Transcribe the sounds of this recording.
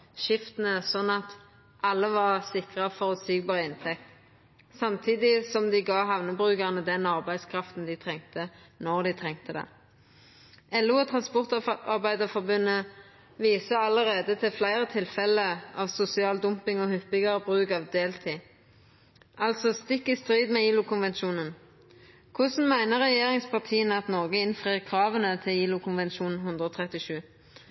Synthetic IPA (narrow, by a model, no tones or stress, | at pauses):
ʃɪft̪nəsɔnːɑt̪ | ʔɑlːəʋɑʁsɪkʁəfɔʁʉsiːɡbɑːʁəɪnt̪ʰɛk̚t̪ | sɑmt̪ʰiːd̪ɪsɔmd̪ɪɡɑːɦɑʋnəbʁʉːkəʁnəd̪ɛnɑʁbæɪd̪skʰʁɑft̪n̩d̪ɪt̪ʰʁɛŋt̪ənɔʁd̪ɪt̪ʰʁɛŋt̪əd̪ɛ̰ | ɛlːʉɔt̪ʰʁɑnspɔʁt̪ɑʁbæɪd̪əfɔʁbʉnːə | ʋiːsəɑləʁeːd̪ət̪ʰɪlflæɪʁət̪ʰɪlfɛləʔɑʋsʊsɪɑːld̪ʊmpɪŋɔhʏpːɪɡəbʁʉːkɑʋd̪eːlt̪ʰɪ | ʔɑlt̪sɔst̪ɪkːɪst̪ʁiːd̪meːiːlʊkʰʊnʋɛnʃuːnən | kʰʊsn̩mæɪnəʁɛjeːʁɪŋspʰɑʁt̪ʰiːənəɑt̪nɔʁɡəɪnfʁiːʁkʰʁɑːʋənət̪ʰɪliːlʊkʰʊnʋɛnʃuːnn̩ɦʉnd̪ɾʁəɔːt̪ʰʁɛt̪ɪʃʉː